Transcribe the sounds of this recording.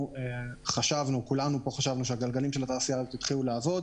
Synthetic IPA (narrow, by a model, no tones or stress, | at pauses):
eχaʃavnukulanupo̞χaʃavnuʃeaɡalɡalimʃe̞lat̪aːsijazot̪it̪χiluleavo̞d